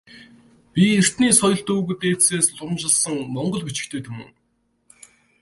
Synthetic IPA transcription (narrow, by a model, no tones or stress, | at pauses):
pʲier̥t̪niːsɔjɞ̆ɮt̪uːɣɘ̆t̪eːseːsɮʊmt͡ɕɪ̆ɮsə̆ŋmɔɴɢɞ̆ɮxut͡ɕɪ̥̆kt̪ʰeːt̪ʰɵmɘ̰̆ŋ